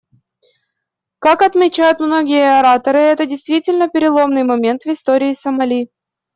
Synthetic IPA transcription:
kakɐt̪mʲɪt͡ɕæjʊt̪mno̞ɡʲɪjəɐɾat̪əɾɨɛt̪ədʲɪjst̪vʲitʲɪlʲnəpʲɪɾʲɪlˠo̞mnɨjmɐmʲe̞nt̪vɪst̪oɾʲɪːsəmɐlʲi

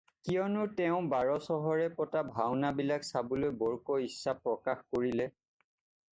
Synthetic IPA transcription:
kijɔnʊtɛʊ̃baɹɔsɔɦɔɹɛpɔtabʱawnabilaksabɔlojbɔɹkɔisːapɹɔkaxkoɹilɛ

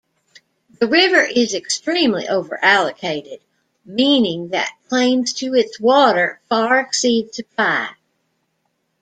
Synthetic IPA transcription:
ðɨɹɪvə˞ʔɪzɨkstɹ̥ĩmlḭʔoʊvə̰˞ʔælˠəkʰeɪɾɪd̚ | mĩnɪ̃ŋðɨ̰t̚kʰl̥ẽɪ̃mz̥tʰɨɪtswɔɾə˞fɑɹɨksid̚tʰɨpaɪ

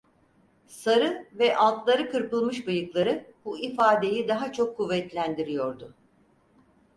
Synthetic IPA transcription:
saɾɯvɛʔalˠt̪lˠaɾɯkʰɯɾpɯlˠmɯʃbɯjɯklˠaɾɯbuifaːd̪e̞jid̪aɦat͡ʃʰo̞kʰːuvːɛt̪lʲænd̪iɾijo̞ɾd̪ʊ

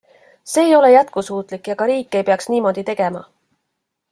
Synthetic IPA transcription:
se̞ːjo̞le̞jæt̪̚kusuːt̪ˑlikːˑjɑɡ̥ɑɾiːkːˑe̞jpeɑksniːmo̞d̪̥it̪e̞ɡ̥e̞mɑ̰

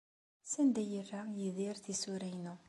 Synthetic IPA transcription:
sænd̪æjərːajiðiɾθisuɾæjnu

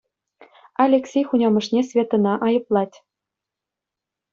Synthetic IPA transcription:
ɑlʲeksʲejxunʲɑmɤ̆ʂnʲesʲvʲet̪ɤ̆nɑʔɑjɤ̆plˠɑtʲ

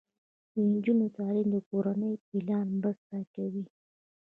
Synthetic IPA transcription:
d̪ənd͡ʒunot̪ɑlimd̪əkoɾanəjpilɑnmbəst̪akawi

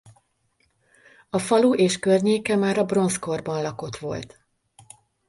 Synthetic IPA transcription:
ɒfɒluʔeːʃkørɲeːkɛmaːɾɒbro̞nsko̞rbɒnlɒko̞t̪ʋo̞̰lt̪

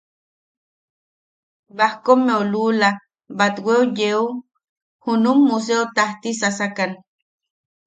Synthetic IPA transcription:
bahkomːeolula | bat̪weujeu | hunumːus̬eot̪aht̪isasakan

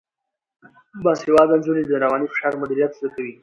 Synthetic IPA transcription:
bɑshewɑːd̪anzunid̪əɾawɑːnifɪ̥ʃɑːɾmʊd̪iɾijat̪zakawi

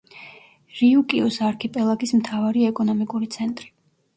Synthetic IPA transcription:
ɾiukʼiɔsaɾkʰipʼɛlˠaɡismt̪ʰavaɾiɛkʼɔnɔmikʼuɾit̪sʰɛnt̪ʼɾi

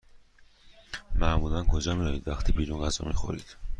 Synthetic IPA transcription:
mæmulænkʰod͡ʒɒmijɒjid̪væxt̪ʰibiːɾunɢæzɒ̰mixo̰ɾid̪̥

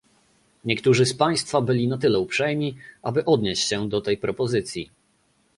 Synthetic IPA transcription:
ɲɛkt̪uʐɘspaj̃st̪fabɘlʲinat̪ɘlɛupʂɛjmʲiʔabɘʔɔd̪ɲeɕt͡ɕɕɛd̪ɔt̪ɛjpɾɔpɔzɘt̪sʲji

